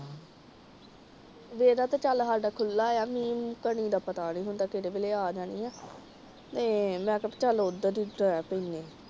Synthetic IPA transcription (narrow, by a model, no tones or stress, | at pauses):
ʋeːɾaːt̪aːt͡ʃalɦaːɖaːkʰʊlːaːejaːmiːmkəniːd̪aːpət̪aːnĩːɦʊnt̪aːkeːɾeːbeːleːaːd͡ʒaːniːɛː | t̪eːmɛ̃ːkəpt͡ʃəlʊd̪əd̪iːɖəɛːpəineː